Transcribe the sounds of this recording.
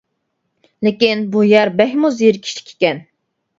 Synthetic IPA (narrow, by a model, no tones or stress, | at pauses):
lɪkʲinbujɛɾbɛhʲmuzijiɾkʲʰi̥ʃi̥kʲʰe̥kʲɛn